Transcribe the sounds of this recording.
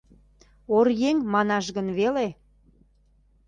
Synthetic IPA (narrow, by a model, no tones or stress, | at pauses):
orjeŋmɑnɑʃɣənβele